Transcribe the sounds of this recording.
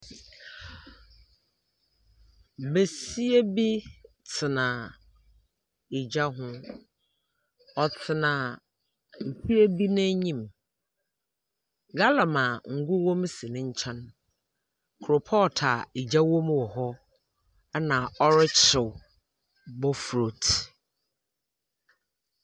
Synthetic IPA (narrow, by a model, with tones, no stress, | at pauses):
be˨si˦e˦bi˦ | t͡sʰɪ˨nã˨ | i˨d͡ʑa˦ɦʊ̃˦ | ɔ˨t͡sʰɪ˨nã˨ | m̩˨pʰi˦e˦bi˦nã˦ɲĩ˦˨m | ɡa˦la˨mã˨ŋ̩˨ɡu˦wɔ̃˦m˦sɪ˨nɪ̃˦ɲ̩˦t͡ɕʰɛ̃˦n˦ | kʰɾʊ˨pʰɔ˦˨tʰa˨i˨d͡ʑa˦wɔ̃˦mwɔ˨ɦɔ˦ | ɛ˦nã˨ɔ˦ɾɪ˦t͡ɕʰɪ˨w | bɔ˦fɾo˨t